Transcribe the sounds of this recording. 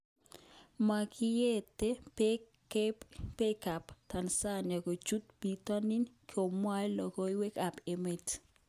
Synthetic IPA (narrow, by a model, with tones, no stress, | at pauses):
ma˨kɪ˦je˦te˦ | pe˦ka˨pt̪a˨nsa˦na˨ko˨t͡ʃu˦t̪bi˨t̪ɔ˦ni˦nkʰo˨mwa˦lɔ˨kɔ˦i˦we˦ka˨pe˨me˨t